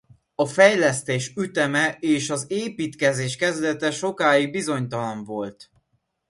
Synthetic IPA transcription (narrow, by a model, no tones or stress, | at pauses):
ɒfɛjlɛst̪eːʃyt̪ɛmɛeːʃɒzeːpiːt̪kɛzeːʃkɛzd̪ɛt̪ɛʃo̞kaːiɡ̚bizo̞ɲt̪ɒlɒɱvo̞lt̪